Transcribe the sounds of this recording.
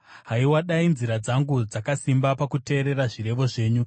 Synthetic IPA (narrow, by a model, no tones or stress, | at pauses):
ɦaiwaɗainziɾad͡zaŋɡud͡zakasimbapakute̞ːɾe̞ɾaʐiɾe̞ʋo̞ʐe̞ːɲu